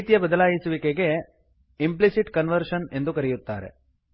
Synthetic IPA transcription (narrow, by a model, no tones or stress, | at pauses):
t̪jɐbɐd̪ɐlaːjisuʋikeɡe̞ | implisiʈkɐnʋɐɾʂɐne̞nd̪ukɐɾɛjut̪ːa̰ːɾḛ